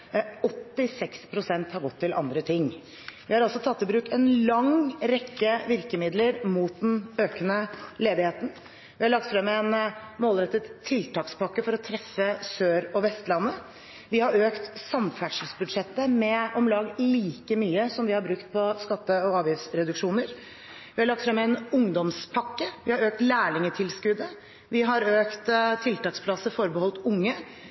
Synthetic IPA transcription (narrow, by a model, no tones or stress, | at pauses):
ɔt̪ːɪsɛkspʰɾʊsɛnt̪hɑɾɡɔt̪ʰːɪlʔɑ̰nd̪ɾət̪ʰɪŋː | ʋɪhɑɾɑlsɔt̪ʰɑt̪ːɪbɾʉːkɛnlɑŋɾɛkːəʋɪɾkəmɪd̪ləɾmuːt̪̚d̪ɛnøːkənəleːd̪ɪheːt̪n̩ | ʋɪhɑɭɑɡ̚t̪fɾɛmɛnmoːlɾɛt̪ːət̪ʰːɪlt̪ɑːkspɑkːəfɔɾɔt̪ʰɾɛfːəsøːɾɔʋɛst̪lɑnːə | ʋɪhɑɾøːkt̪sɑmfæʈʂəlsbʉd̪ʂɛt̪ːəmɛɔmlɑːɡliːkəmyːəsɔmʋɪhɑɾbɾʉkt̪̚pʰɔskɑt̪ːəɔɑːʋjɪfsɾɛd̪ʉkʂuːnəɾ | ʋɪhɑɾɭɑk̚t̪fɾɛmɛnʊŋd̪ɔmspʰɑkːəʋɪhɑɾøːk̚t̪læːɭɪŋət̪ʰɪlskʉd̪ə | ʋɪɦɑɾøːkt̪t̪ʰɪlt̪ɑːkspʰlɑsəfɔɾbəɔlt̪ʊŋːə